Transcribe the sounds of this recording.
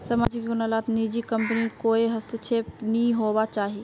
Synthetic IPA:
samaːd͡ʒɪkɡʊnəlaːt̪nid͡ʒikə̃mpənikoːiɦɐst̪et͡ʃʰeːpnĩɦoːbat͡ʃaːɦie

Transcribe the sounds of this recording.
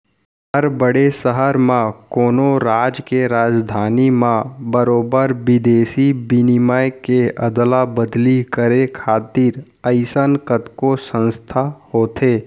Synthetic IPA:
ɦəɾbəɽesəɦəɾmãkoːnoɾaːd͡ʒkeɾaːd͡ʒd̪ʱaːnimãbəɾoːbəɾbɪd̪eːsibinɪməjkeəd̪labəd̪likəɾekʰaːt̪iːɾ | əɪsənkət̪kosə̃nst̪ʰahoːt̪ʰeː

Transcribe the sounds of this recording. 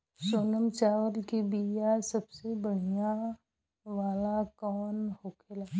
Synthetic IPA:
soːnəmt͡ʃaːʋəlkibijasɐbsebəɽ̤ija | ʋaːlakɔːnhoːkʰelaː

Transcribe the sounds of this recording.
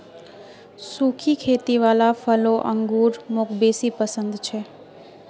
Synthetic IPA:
sukʰikʰet̪iʋalafəloʔəŋɡuɾmokbesipəsə̃nd̪t͡ʃʰe

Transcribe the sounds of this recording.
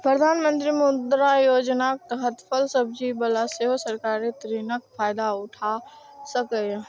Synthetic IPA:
pɾəd̪ʱaːnmə̃nt̪ɾimʊd̪ɾajoːd͡ʒnak̚t̪ɐɦət̪pʰəlsəb̚d͡ʒibəlaseɦosəɾkaːɾet̪ɾinək̚fʰaːjd̪aʊʈʰa | səke

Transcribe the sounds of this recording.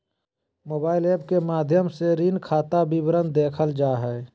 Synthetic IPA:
moːbaːɪleːbkemaːd̪ʱjəmseɾiːnkʰaːt̪abibɾənd̪eːkʰəld͡ʒaːɦɛː

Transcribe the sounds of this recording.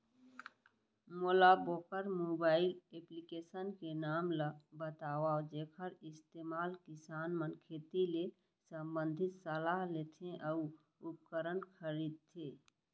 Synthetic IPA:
moːlaboːkəɾmoːbaːɪleːplikeːsənkenaːmləbət̪aːwaod͡ʒeːkʰəɾɪst̪eːmaːlkɪsaːnmənkʰeːt̪ile | sə̃mbə̃nd̪ʱɪt̪səlaːɦleːt̪ʰẽʔəu | ʊp̚kəɾənkʰəɾiːd̪̚t̪ʰeː

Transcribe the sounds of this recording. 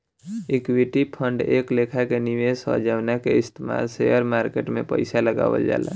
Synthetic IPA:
ɪkwɪʈipʰə̃ɳɖeːkleːkʰakeniʋesɔ̰d͡ʒaːʋnakeɪst̪ema̰ːlseəɾmaːɾkeːʈmẽpə̰ɪsaləɡa̰ːʋə̰ld͡ʒa̰ːla̰ː

